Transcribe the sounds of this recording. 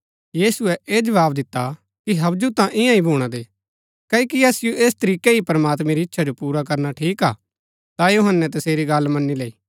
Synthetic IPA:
jiːsuɛʔeːd͡ʒɐʋaːbd̪ɪt̪ːa | kiɦɐbd͡ʒut̪ãʔɪjãĩbʱuːɽ̃ad̪eː | kɐkiɐsɪjoʔeːst̪ɐɾiːkeipɐɾɐmaːt̪mɛɾiɪtːʃʰad͡ʒopuːɾak̬ɐɾnaʈʰiːka̰ː | t̪ajoɦənːɛt̪ɐseːɾiɡɐlmɐnːileiː

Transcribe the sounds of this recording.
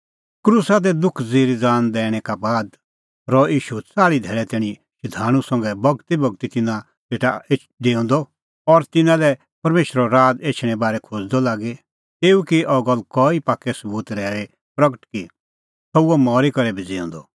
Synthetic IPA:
kɾuːsad̪ɛd̪ʊkʰd͡ziːɾid͡zaːnd̪ɛːɽ̃ɛkabaːd̪ | ɾɔiːʃut͡saːɭid̪ʱɛːɭɛt̪ɛːɽ̃ĩ | ʃɪd̪ʱaːɽ̃ũsɐ̃ŋɡɛbɐɡt̪ibɐɡ̚t̪it̪ɪnã | teːʈaeː | d̪eːɔ̃nd̪ɔ | ɔɾt̪ɪnãlɛ | pɐɾmeːʃɾɔɾaːd̪eːt͡ʃʰɽ̃ɛ̃baːɾɛkʰod͡zd̪ɔlaːɡe | t̪eːukiʔɔɡəlkɔːipaːkɛsɐbuːt̪ɾɛːɾe | pɾɐɡəʈki | sɔuɔmɔːɾikɐɾɛbʱid͡zeːɔ̰̃nd̪ɔ

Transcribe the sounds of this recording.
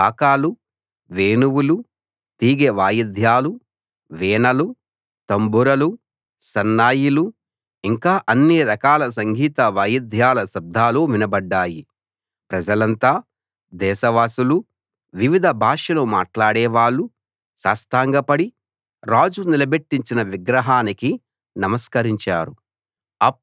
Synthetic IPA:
aːkaːlu | ʋeːnuwulu | t̪iːɡeʋaːjɐd̪ʱjaːlu | ʋɛːɳɐlu | t̪ɐmbuɾɐlu | sɐnːaːjilu | iŋkaːʔɐnːiɾɐkaːlɐs̬ɐŋɡʱiːt̪ɐʋaːjid̪ʱjaːlɐsɐb̚d̪ʱaːloːʋinɐbɐɖːaːji | pɾɐd͡ʒɐlɐnt̪aː | d̪ɛːʃɐʋaːsulu | ʋiʋid̪ʱɐbʱaːʂɐloːma̰ːʈlaːɽɛːʋaːɭːu | sa̰ːst̪aːŋɡɐpɐɽi | ɾaːd͡ʒunilɐbe̞ʈːiɲt͡ʃinɐʋiɡɾɐɦaːniki | nɐmɐskɐɾiɲt͡ʃa̰ːɾu | ɐp

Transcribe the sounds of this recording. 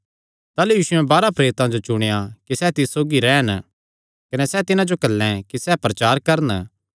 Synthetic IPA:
t̪aːlujiːʃʊɛ̃baːɾapɾeːɾɪt̪ãd͡ʒot͡ʃʊɽ̃ejakisɛt̪ɪssoːɡiɾɛːən | kɐnesɛt̪ɪnãd͡ʒokɐlːɛ̃kisɛpɾɐt͡ʃaːɾkɐɾən

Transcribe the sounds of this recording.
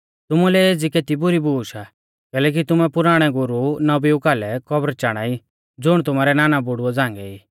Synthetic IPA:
t̪ʊmulɛeːd͡zikeːt̪ibʊɾibuːʃa | kɛːlɛːk̬it̪ʊmɛpʊɾaːɽ̃ɛɡʊɾunɐbiukaːlɛkɔbɾt͡ʃaːɽ̃ai | d͡zʊɽ̃t̪ʊmaːɾɛnaːnabʊɽʊɔd͡zãːŋɡɛ̰iː

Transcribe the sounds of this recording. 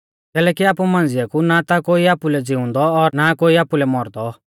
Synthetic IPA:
kɛːlɛːkiaːpumãːnd͡zɪjakunat̪akoːiaːpulɛd͡zɪʊ̃nd̪ɔɔɾnakoːiaːpulɛmɔɾd̪ɔ

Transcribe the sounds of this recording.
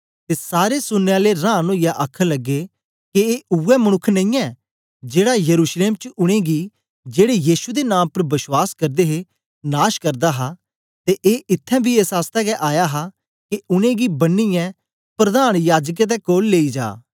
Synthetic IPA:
t̪eːsaːɾesʊnːeaːleɾãːnoːijaʔəkʰlɐɡːe | keeːʔʊɛməñʊkʰːnɐ̃ĩːɛ̃ː | d͡ʒeːɽajəɾuːʃleːmt͡ʃəʔʊɽ̃ẽɡi | d͡ʒeːɽejiːsud̪enãːmpəɾbɪswaːskɐɾd̪eːɦe | naːʃkɐɾd̪aɦa | t̪eʔeːʔɪt̪ʰːɛ̃ːbʱieːsaːst̪ɛkɛʔaːjaɦa | keʊɽ̃ẽɡibɐnːɪjɛ̃ | pɾɐd̪aːñjaːd͡ʒək̬ɛt̪̬ɛkoːlːeːid͡ʒa̰ː

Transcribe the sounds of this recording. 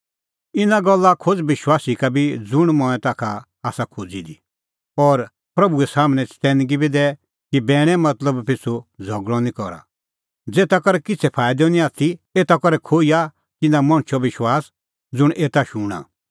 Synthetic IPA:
ɪnaɡɔlːakʰod͡zʋɪʃwaːsikabʱid͡zʊɽ̃mɔ̃ɛ̃t̪aːkʰa | aːsakʰod͡zid̪i | ɔːɾ | pɾɐbuɛsaːmɽ̃ɛt͡st̪ɛ̃nɡibʱid̪ɛː | kibɛːɽ̃ɛ̃mɐt̪ləbpɪt͡sʰod͡zʱɔɡɽɔnĩkɔɾa̰ | d͡zeːt̪akɔɾɛkɪt͡sʰɛpʰaːɪd̪ɔ̃nĩaːt̪ʰieːt̪akɔɾɛkʰoːia | t̪ɪnãmɔ̃ɽ̃t͡ʃʰɔʋɪʃwaːs | d͡zʊɽ̃ʔeːt̪aʃuɽ̃a̰

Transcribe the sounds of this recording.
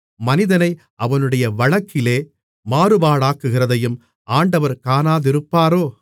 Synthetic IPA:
mɐnɪðɐnɐɪ | ʔɐʋɐnɯɽɐjɐʋɐɻɐkːɪleː | maːɾɯbaːɭaːkːɯɣɪrɐðɐjɯm | ʔaːɳɖɐʋɐɾkaːnaːðɪɾɯpːaːɾoː

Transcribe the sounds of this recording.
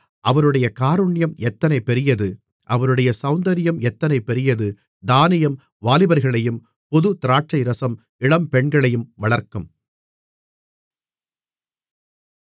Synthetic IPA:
ʔɐʋɐɾɯɽɐjɐkaːɾɯɳːɪjɐmɛt̪ːɐnɐɪpːɛɾɪjɐðɯ | ʔɐʋɐɾɯɽɐjɐsɐʊnd̪ɐɾɪjɐmɛt̪ːɐnɐɪpːɛɾɪjɐðɯ | d̪aːnɪjɐm | ʋaːlɪbɐɾɣɐɭɐjɯm | pɔðɯt̪ɪɾaːʈt͡ʃɐɪɾɐsɐm | ɪɭɐmpɛɳɡɐɭɐjɯmʋɐɭɐɾkɯm

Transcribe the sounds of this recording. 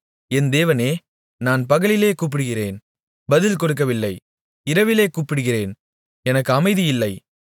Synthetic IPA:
ɛnd̪eːʋɐneː | naːnpɐɣɐɭɪleːkuːp̬ːɪɽɯɣɪrḛːn | bɐðɪlkɔɽɯk̬ːɐʋɪlːɐɪ | ɪɾɐʋɪleːkuːpːɪɽɯɣɪreːn | ɛnɐkːɯɐmɐɪðɪjɪlːɐɪ

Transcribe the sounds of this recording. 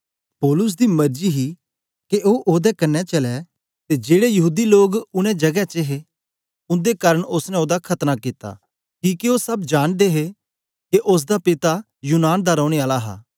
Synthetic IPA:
pɔːlʊs̬d̪imɐɾd͡ʒiɦi | keʔoːʔoːd̪ɛkɐnːɛt͡ʃɐlɛ | t̪ed͡ʒeːɽejɐɦuːd̪iloːɡʊɽ̃ɛ̃d͡ʒɐɡɛt͡ʃeɦe | ʊ̃nd̪ekaːɾəɽ̃ʊsnɛ̃oːd̪akʰɐt̪nakit̪a̰ː | kiːkioːsɐbd͡ʒaːnd̪eɦe | keʔʊs̬d̪apɪt̪a | juːnaːnd̪aɾɔ̃ːʊɽ̃eaːlaɦa̰ː

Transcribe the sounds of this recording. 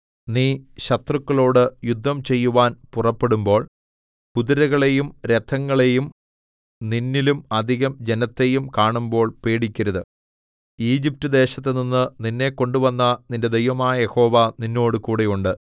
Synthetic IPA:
niːɕɐt̪rukːɐɭo̞ːɽɨjud̪ʱːɐmt͡ɕe̞jːuʋaːnpurɐpːe̞ɽumbo̞ːɭ | puðiɾɐɣɐɭe̞jumɾet̪ʰːɐŋːɐɭe̞jum | ninːilumɐd̪ʱiɣɐmd͡ʑe̞nɐt̪ːe̞jumkaːɳumbo̞ːɭpe̞ːɽikʲːɐɾɐðɨ | iːd͡ʑip̚tɐd̪e̞ːɕɐt̪ːeninːɨninːe̞kːo̞ɳɖuʋɐnːɐninde̞d̪ejʋɐmaːjɐje̞ho̞ːʋɐninːo̞ːɽɨkuːɽejuɳɖɨ

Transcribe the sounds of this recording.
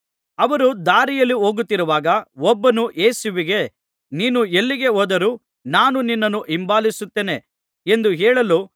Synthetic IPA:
ɐʋɐɾud̪aːɾijɐlːiɦoːɡut̪ːiɾuʋaːɡɐɔbːɐnuʔeːsuʋiɡe | niːnuelːiɡe̞oːd̪ɐɾu | naːnuninːɐnːuʔimbaːlisut̪ːeːne̞ | end̪uɦɛːɭɐlu

